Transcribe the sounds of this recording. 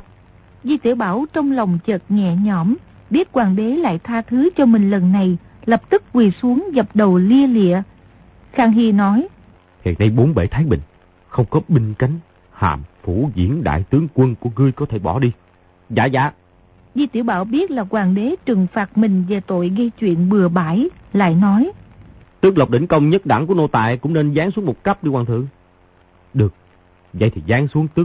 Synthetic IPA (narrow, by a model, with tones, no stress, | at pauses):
zi˧t̪ḭ˧˩əwɓaː˧˩wt͡ɕɔ˧wŋ͡mlɔ˨˩wŋ͡mt͡ɕəː˨˩t̚ɲɛ̰˧˨ɲɔ˧˩m | ɓi˦˥ət̚kwaː˨˩nɓe˨˦la̰ː˧˨jt̪ʰaː˧t̪ʰɨ˨˦t͡ɕɔ˧mï˨˩ŋ̟lə˨˩nːa˨˩j | lə˨˩p̚t̪ɨ˦˥k̚kwi˨˩su˨˦əŋɣə˨˩p̚ɗə˨˩wli˧əlḭ˧˨ə | xaː˧˩ŋɦi˧nɔ˨˦j | hḭ˧˨nːa˧jɓo˨˦nɓe˧˩t̪ʰaː˨˦jɓï˧˨ŋ̟ | xə˧wŋ͡mkɔ˨˦ɓï˧ŋ̟ka˨˦ŋ̟ | ha̰ː˨˩mfu˧˩zḭ˧˩˥ənɗa̰ː˧˨jt̪ɨ˨˦əŋkwə˧nku˧˩əɣɨ˧jkɔ˨˦t̪ʰe˧˩ɓɔ˧˩ɗi˧ | za̰ː˧˥za̰ː˧˥ | zi˧t̪i˧˩əwɓaː˧˩wɓi˦˥ət̚laː˨˩kwaː˨˩ŋɗe˨˦t͡ɕɨ˨˩ŋfaː˨˩t̚mï˨˩ŋ̟ve˨˩t̪o̰˧˨jɣə˧jt͡ɕwḭ˧˨ənɓɨ˨˩əɓaː˧˩jla̰ː˧˨jnɔ˨˦jt̪ɨ˦˥ək̚lə˨˩k͡p̚ɗ̪ï˧˦ŋ̟kə˧wŋ͡mɲə˦˥t̚ɗa̰˧˩ŋku˧˩əno˧t̪a̰ː˧˨jkʊ̰˧˥ŋ͡mne˧nzaː˨˦ŋsu˨˦əŋmo˨˩t̚ka˦˥p̚ɗi˧kwaː˨˩nt̪ʰɨ̰˧˨əŋ | ɗɨ˨˩ək̚ | zə̰˧˨jt̪ʰi˨˩zaː˨˦ŋsu˨˦əŋt̪ɨ˦˥ək̚